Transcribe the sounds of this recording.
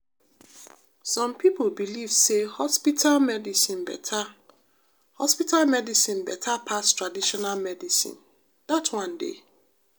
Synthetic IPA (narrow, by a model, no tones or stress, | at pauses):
sɔ̃mpʰipʰolbiliv̥sehɔspitʰalmɛdisĩnbɛ̰tʰa | hɔspitʰalmɛdisĩnbɛtʰapʰastʰɹadiʃɔnalmɛdisḭ̃n | d̥atwãndḛ